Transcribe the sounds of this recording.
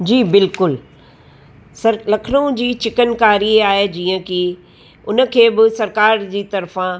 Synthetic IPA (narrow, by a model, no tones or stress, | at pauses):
d͡ʑiːbɪlkʊl | sɐɾlɐkʰɪnõd͡ʑiːt͡ɕɪkənkaːɾiaːɦed͡ʑiːə̃kɪ | ʊnə̆kʰeːbɪsɐɾkaːɾd͡ʑiːt̪ɐɾfã